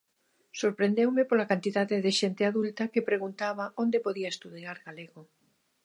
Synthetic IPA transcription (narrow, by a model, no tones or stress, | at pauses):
soɾpɾend̪ewmepolakant̪iðaðeðɪʃent̪ɪaðult̪akepɾeɣunt̪aβaond̪epoðiaest̪uðiaɾɣaleɣo